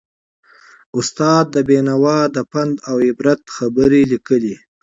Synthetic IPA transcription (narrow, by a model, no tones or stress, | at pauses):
ʊst̪ɑd̪̚ːəbenawɑd̪əpand̪awɪbɾat̪xabəɾelikəli